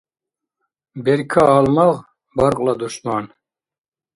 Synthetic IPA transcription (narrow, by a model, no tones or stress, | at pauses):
bɛɾkʰaːlmɑʁ | bɑɾqʼlad̪uʃmaːn